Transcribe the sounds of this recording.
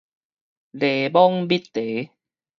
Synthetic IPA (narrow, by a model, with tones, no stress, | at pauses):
le˨˩bɔ˦ŋbi˦t̪ːe˨˦